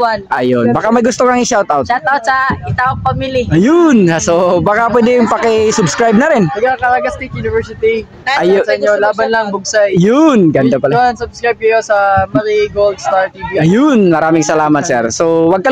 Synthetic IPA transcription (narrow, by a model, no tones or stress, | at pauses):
anʔɐjonbakamɐjɡʊst̪okɐŋɪʃawt̪ʔawt̪ʃat̪awt̪sɐɪt̪aːwɐŋpɐmiliʔɐjʊnsobakapwɛd̪ɪŋpɐkɪsʊbskɾajb̚nɐɾɪnɐɡakɐɾaɡast̪ik̚junɪvɛɹsɪt̪i | ɐjsɐɪɲːolaːbɐnlɐŋbʊɡ̚sajjʊnɡɐnd̪apɐlnsʊbskɹajb̚kɐjosɐmɐɾiɡold̪st̪aɹt̪iːviɐjʊnmɐɾaːmɪŋsɐlaːmɐt̪̚sɛɾsowɐɡ̚kɐ